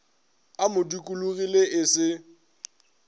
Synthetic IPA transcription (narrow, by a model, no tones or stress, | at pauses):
amʊdikʼuluɣileʔɪsɪ